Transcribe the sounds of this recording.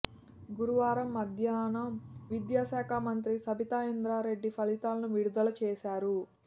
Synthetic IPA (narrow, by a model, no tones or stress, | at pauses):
ɡuɾuʋaːɾɐmːɐd̪ʱjaːnɐmʋid̪jaːʃaːkʰaːmɐnt̪ɾisɐbit̪aːind̪ɾaːɾe̞ɖːipʰɐlit̪aːlɐnuʋiɽud̪ɐlɐt͡ʃɛːʃaːɾu